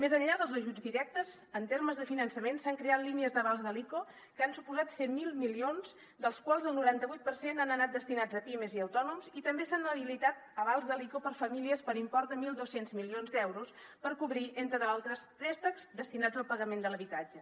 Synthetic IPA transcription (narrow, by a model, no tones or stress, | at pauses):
mezəɲʎaðəlˠzəʒud͡zd̪iɾɛk̚t̪əz | ənt̪eɾməzðəfinənsəmensaŋkɾeat̪liniəzðəβalzðəliko | kəansupuzat̪sɛmmːilˠmilionz | d̪əlˠskwalˠzəlˠnuɾant̪əβujt̪̚pəɾsenanənat̪̚d̪əst̪inad͡zəpiməziəwt̪ɔnumzit̪əmbesanəβilit̪at̪əβalˠzðəlikopəɾfəmiliəspəɾimpɔrt̪̚d̪əmilˠd̪osenzmilionzd̪ɛwɾuspəɾkuβɾiʔent̪ɾəðalˠt̪ɾəst̪ɾɛst̪əkzd̪əst̪inad͡zəlˠpəɣəmend̪ələβit̪ad͡ʒə